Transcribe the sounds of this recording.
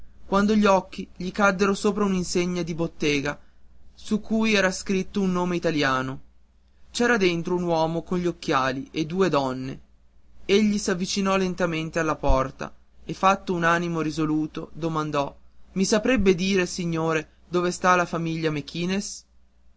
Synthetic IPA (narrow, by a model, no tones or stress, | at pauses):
kwand̪oʎiɔkːiʎikad̪ːeɾosoːpɾauninseɲːad̪ibot̪ːeːɡasukːujɛːɾaskɾit̪ːounːoːmeit̪aljaːno | t͡ʃɛːɾad̪ent̪ɾounwɔːmokonʎiokːjaːliʔed̪ːuːed̪ɔnːḛ | eʎːisavːit͡ʃinɔlent̪ament̪ealːapɔrt̪a̰ | efːat̪ːounaːnimoɾizoluːt̪od̪omand̪ɔmisapɾebːed̪iːɾesiɲːoːɾe | d̪oːvest̪alafamiʎːamekʰiːnes